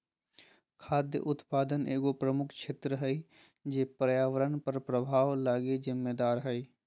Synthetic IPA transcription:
kʰaːd̪jə̰ʔʊt̪paːd̪əneːɡopɾəmʊkʰʃʰeːt̪ɾəɦəi | d͡ʒeːpɾəjaːʋəɾənpəɾpɾəbʱaːʋlaːɡezɪmːeːd̪aːɾɦɛi

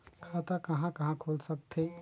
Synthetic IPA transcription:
kʰaːt̪akɐɦãkɐɦãkʰoːlsɐk̚t̪ʰeː

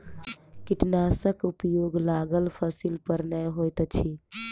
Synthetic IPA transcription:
kiʈnasəkupjoɡlaɡəlpʰəsilpəɾnəɦojt̪t͡ʃʰi

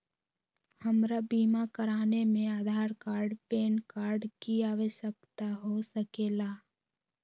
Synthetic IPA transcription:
həmɾabiːmakəɾaːnemẽaːd̪ʱaːɾkaːɾɖpeːnkaːɾɖkiaːʋəʃəkt̪aɦosəkeːlaː

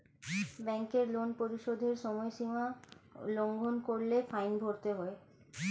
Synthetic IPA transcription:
bɛŋkeɾlonpoɾiʃod̪ʱeɾʃɔmɔeʃimaloŋɡʱonkoɾlefajnbʱoɾt̪eɦɔe

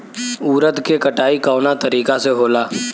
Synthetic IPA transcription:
uːɾət̪kekɐʈaːikaːʊnat̪ɐɾiːkaseɦoːlaː

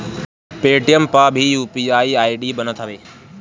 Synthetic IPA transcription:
peːʈijəmpaːbʱijuːpiaːiaːiɖiːbɐnət̪ʰɐʋeː

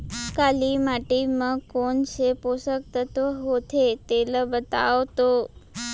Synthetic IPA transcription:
kalimaʈiməkoɳseposək̚t̪ət̪ʋəɦot̪et̪eləbət̪aʋt̪o

